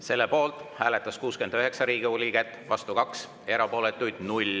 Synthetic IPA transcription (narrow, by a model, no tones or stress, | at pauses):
se̞lːepo̞ːlt̪ˑhæːle̞t̪ːˑɑskuːske̞nd̪̥øɦe̞ksɑɾiːɡiolʲikæt̪ːˑvɑst̪ukɑks | e̞ɾɑpo̞ːle̞t̪ːˑujd̪̥nulʲ